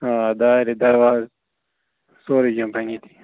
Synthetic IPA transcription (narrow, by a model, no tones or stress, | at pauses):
aːd̪aɾid̪ɐɾwaz | soːɾikɐmpanit̪ʰi̥